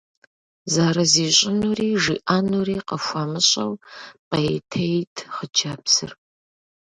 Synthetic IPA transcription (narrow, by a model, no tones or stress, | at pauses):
zaːɾɐziːɕʼɪnuriːʒiʔaːnuriːqɐxʷaːmɨɕʼɐwqɐjtʰejtʰχəd͡ʒaːpsɨ̰r